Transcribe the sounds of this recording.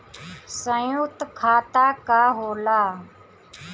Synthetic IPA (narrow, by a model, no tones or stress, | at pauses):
sə̃jʊkt̪kʰːaːt̪aːkaːɦoːlaː